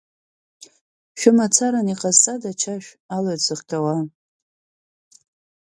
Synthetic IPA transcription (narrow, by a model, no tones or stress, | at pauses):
ʃᶣʊmat͡sʰaɾaniqʼazt͡sʼadat͡ʃʰaʃᶣ | aloɥsɨχtʰʼawa